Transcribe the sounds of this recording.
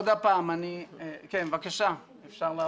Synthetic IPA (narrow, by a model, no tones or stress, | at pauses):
d̪apaːmanikenvakaʃa | efʃaʁlaː